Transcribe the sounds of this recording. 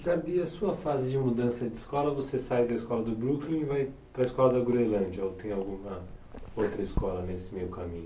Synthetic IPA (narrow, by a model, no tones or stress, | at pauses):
ʒaɾd̪iɐsuɐfazɪd͡ʒɪmud̪ɐ̃sɐd͡ʒɪiskɔlɐvosesajd̪ɐiskɔlɐd̪ʊbɾuklĩɪvaj | pɾɐɪskɔlɐd̪ɐɡuɾelɐ̃d͡ʒɐowt̪ẽj̃ʊawɡũmɐ | owt̪ɾɐiskɔlɐnesɪmewkamĩɲʊ